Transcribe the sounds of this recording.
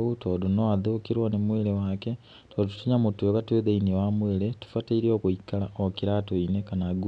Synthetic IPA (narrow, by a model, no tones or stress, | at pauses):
utodunoaðuːkiɾwonemwelewake | todutu̥tuɲamutekatueðeiniwamweːɾetu̥fateiɾokuikalaokiɾatoinekanaɡu